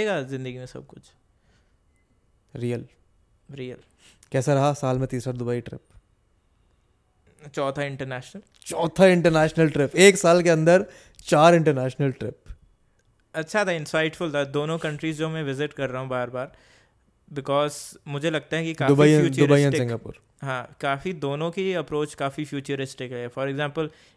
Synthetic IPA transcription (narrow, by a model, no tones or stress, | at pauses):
eɡazɪ̃nd̪əɡimẽsɐ̰b̚kʊt͡ʃʰ | ɾiːjəl | ɾiːəl | kɛːsaɾɐɦasaːlmẽt̪iːsɾad̪ʊbaːiʈɾɪ̰p | t͡ʃɔːt̪ʰaɪ̃ɳʈəɾnɛːʃnəl | t͡ʃɔːt̪ʰaɪ̃ɳʈəɾnɛːʃnəlʈɾɪpeːksaːlkeɐ̃nd̪əɾ | t͡ʃaːɾɪ̃ɳʈəɾnɛːʃnəlʈɾɪp̚ | ɐtːʃʰat̪ʰaɪ̃nsaɪʈfʊlt̪ʰad̪oːnõkɐ̃ɳʈɾiːzd͡ʒoːmɛ̃ʋɪzɪʈkɐɾːaːɦũbaːɾbaːɾ | bɪkɔːzmʊd͡ʒʱelɐɡ̚t̪aɦɛkikaːd̪ʊbiiɦɛ̃juːt͡ʃdʊɾbaɦɛ̃ʈɪsɪ̃ŋɡapʊ̰ːɾ | ɦãːkaːfid̪oːnõkiɐpɾoːt͡ʃkaːfifjuːt͡ʃəɾɪsʈɪkɦɛfɔɾɛɡzãːmpəl